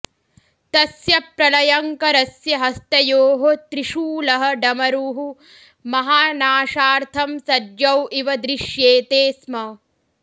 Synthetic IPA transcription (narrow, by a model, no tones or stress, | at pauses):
t̪ɐsjɐpɾɐlɐjɐŋkɐɾɐsjɐɦɐst̪ɐjoːɦot̪ɾiʃuːlɐɦɐ̆ɖɐmɐɾuːɦu | mɐɦaːnaːʃaːɾt̪ʰɐmsɐdjɐwiʋɐd̪ɾiʃjeːt̪eːsmɐ